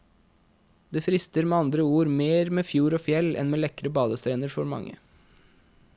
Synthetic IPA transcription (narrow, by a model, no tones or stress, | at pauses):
d̪eːfɾɪst̪əɾmeːɑnd̪ɾəuːɾmeːɾmeːfjuːɾoːfjɛlɛ̰nmeːlɛkɾəbɑːd̪əst̪ʰɾeːnəɾfɔɾmɑ̰ŋːə̰